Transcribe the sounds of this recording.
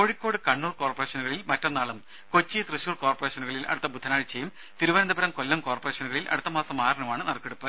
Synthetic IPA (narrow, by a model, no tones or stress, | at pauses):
ko̞ːɻikʲːo̞ːɽɨkɐɳːuːrko̞ːrpɐreːʂɐnuɣɐɭilmɐtːɐnːaːɭɐm | kot͡ɕːijt̪rɨɕuːrko̞ːrpɐreːɕɐnuɣɐɭilʔɐ̰ɽut̪ːɐbud̪ʱːɐnaːɻit͡ɕːejum | t̪iɾuʋɐnɐnd̪ɐbɐɾɐmkolːɐmko̞ːrpɐreːʂɐnuɣɐɭilʔɐ̰ɽut̪ːɐmaːsɐmaːɾɐnɐmaːɳɨnɐrkːeɽupːɐ